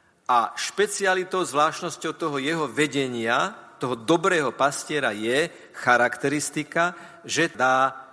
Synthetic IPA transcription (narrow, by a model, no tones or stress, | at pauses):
ʔaʃpɛt͡sialit̪ɔʊzʋlaːʃnɔscɔʊt̪ɔɦɔjɛɦɔʋɛɟɛɲɪat̪ɔɦɔd̪ɔbɾɛːɦɔpascɪɛɾa̰jɛ | xaɾakt̪ɛɾist̪ika | ʒɛd̪aː